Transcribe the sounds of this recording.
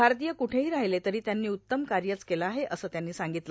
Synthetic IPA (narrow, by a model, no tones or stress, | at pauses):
bʱaɾt̪ijəkuʈʰeɦiːɾaɦjlet̪əɾiːt̪janːiːutt̪ːəmkaɾjət͡skelaːɦeʔəsəːt̪janːiːsaŋɡit̪lə